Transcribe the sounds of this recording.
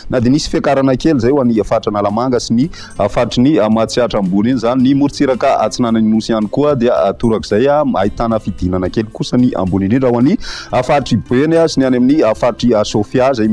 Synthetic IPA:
nad̪emisi̥fakaɾanakelizajwaniafaʈ͡ʂanalamaŋɡasini | afaʈ͡ʂiniamat͡siaʈ͡ʂambulinizaninimuɾit͡siɾakaa̰t͡sinananinusianikuəd̪eat̪uɾakiz̥ajama̰it̪anəfid̪inanakelikusəniʔa̰mbulinɖ͡ʐinɖ͡ʐaɦwaniafaʈ͡ʂibenasinianaminiafaʈ͡ʂiasofjazaj

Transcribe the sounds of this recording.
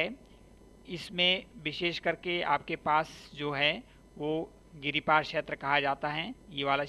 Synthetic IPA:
ɛ | ɪsmẽʋɪʃeːʃkɐɾkea̰ːp̚kepaːsd͡ʒoːɦɛ | ʋo | ɡɪɾipaːɾkʃeːt̪ɾəkɐɦad͡ʒaːt̪aɦɛjeːʋaːla

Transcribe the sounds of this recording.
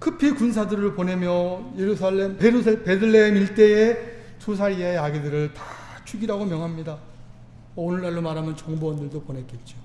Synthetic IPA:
kʰɯpʰikunsʰadɯɾɯɭpone̞mjʌje̞ɾusʰaɭːempeɾusʰpe̞dɯɭːeɦemiɭt͈e̞e | sus̬ʰaɾiejaɡidɯɾɯɭtḁ | t͡ɕʰuɡiɾaɡomjʌŋɦamɲida | ʌonɯɭːaɭːomaɾɦamjʌnt͡ɕʌŋbowʌndɯɭdoponek͈e̞t̚t͡ɕ͈o

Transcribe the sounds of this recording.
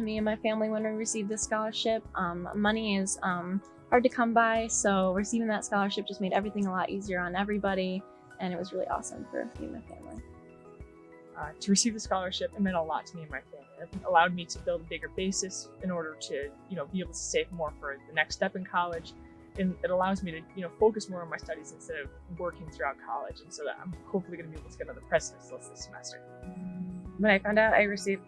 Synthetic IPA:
tʰɨmiɨ̃nmaɪfæ̃mliwə̃nwiɹɨsivðɨskɑlˠə˞ʃɪp̚ʔʌ̃m̰mːʌniɪz̥ʌ̃m | hɑɹd̚tɨkʰʌ̃mbaɪsoʊɹɨsivɪ̃ŋðətskɑlˠə˞ʃɨp̚ʒ̥ʌsmeɪɾɛvɹiθɪ̃ŋəlɔɾʔiziə˞ə̃nɛvɹibɑɾi | ɨ̃ñɨt̚wʌzɹɪlˠḭʔɔ̰sə̰̃ɱfə̰˞sḭɪ̃nmaɪfæ̰̃mlḭ | ʌtʰɨɹɨsivðɨskɑlˠə˞ʃɪpɨ̃mɛ̃ɾəlɔ̰tʰəmiɨ̃nmaɪfæ̃mliãəlaʊd̚miɾɨbɪlˠdəbɪɡə˞beɪsɨsʔɨ̃nɔɹɾə˞ɾɨjɨnoʊbieɪbl̩ˠtʰə̥seɪvmɔɹfə˞ðɨnɛkstɛpɨ̃nkʰɑlˠɪd͡ʒ | ɨ̃nɨɾəlaʊzmiɾɨjɨnoʊfoʊkɨsmɔɹə̃nmaɪstʌɾizɨ̃n̩stɛɾʌv | wɜ˞kɪ̃ŋθɹʉaʊt̚kʰɑ̰lˠɪ̰d͡ʒɨ̃n̩soʊðə̰ɾã̰ɪ̃mhoʊpfl̩ˠiɡʌnɨbieɪbl̩ˠtʰəɡ̥ɛɾ̃ʌðəpʰɹ̥ɛznsləsðəsəmɛ̰stə̰˞ | wə̃ñaɪfãʊ̃ndaʊɾa̰ɪɹɨsiv

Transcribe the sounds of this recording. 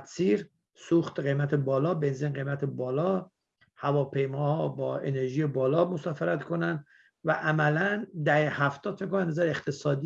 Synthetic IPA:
t̪siːɾ | suxt̪ɢe̞jmæt̪ʰebɒːlɒːbe̞nzinɢe̞jmæt̪ʰebɒːlɒː | hævɒːpʰe̞jmɒːhɒbɒːe̞̰neɾʒijebɒːlɒːmosɒːfeɾæt̪kʰonæn | væʔæmælænd̪æhehæft̪ʰɒːd̪fekːonænnæzæɾeeχt̪ʰesɒːd̪i

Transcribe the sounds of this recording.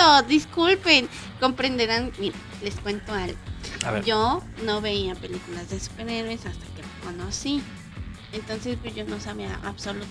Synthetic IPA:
oðiskulpen | kompɾend̪eɾanmiɾa | leskwe̞nt̪oalɣod͡ʒonoβe̞iapelikulazðesu̥peɾeɾwesast̪ḁkelokonosi | ent̪onsespwesʝonosaβiaʔa̰βsolut̪

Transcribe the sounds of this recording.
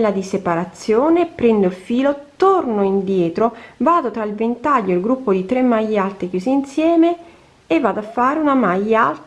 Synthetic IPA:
lːad̪isepaɾat̪sːjoːnepɾɛnd̪oilfiːlot̪ornoind̪jɛːt̪ɾovaːd̪ot̪ɾailvent̪aʎːoilɡɾupːod̪it̪ɾemːajːalt̪ekjuːziinsjɛːmeː | vːaːd̪oafːaːɾeunamajalt̪

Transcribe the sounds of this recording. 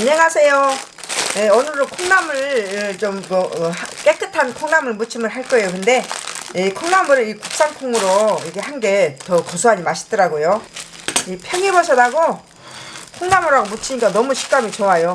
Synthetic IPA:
ɲeŋɦasʰe̞jo | jeʌnɯɾokʰoŋnamɯɭt͡ɕomːʌak͈e̞k͈ɯtʰankʰoŋnamɯɭmut͡ɕʰimɯɭɦaɭk͈ʌejokɯnde̞ikʰoŋnamɯɾɯikuk̚s͈aŋkʰoŋɯɾoiɡe̞hanɡe̞tʌkʌsʰuɦaɲimaɕʰi̥t͈ʌɾaɡojo | ipʰjʌŋibʌɕʰʌdaɡo | kʰoŋnamɯɾaɡomut͡ɕʰiɲik͈anʌmuɕʰi̥k͈amit͡ɕoajo

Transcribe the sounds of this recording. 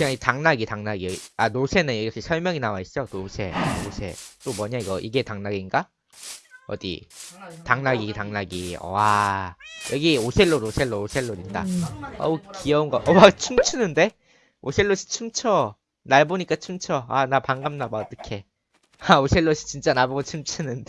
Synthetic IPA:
kɯaŋitaŋnaɡitaŋnaɡiʌianosʰe̞nɯniɾʌkʰisʰʌɭmjʌŋinawais͈onosʰe̞̰osʰe̞̰t͈omwʌɲaiɡʌʔiɡe̞taŋnaɡinɡa | ʌ̰dḭtaŋnaɡitaŋnaɡiʌ̰wa | jʌɡiosʰe̞ɭːoɾosʰe̞ɭːoosʰe̞ɭːoɾit̚t͈a̰ʌ̰kiʌunɡʌʔʌwat͡ɕʰɯmt͡ɕʰɯnɯnde̞ | osʰe̞ɭːoɕʰi̥t͡ɕʰɯmt͡ɕʰʌ | naɭboɲik͈at͡ɕʰɯmt͡ɕʰʌa̰napaŋɡamnabaʌt͈ʌkʰe̞ | aosʰe̞ɭːoɕʰi̥t͡ɕint͡ɕ͈anaboɡot͡ɕʰɯmt͡ɕʰɯnɯnde

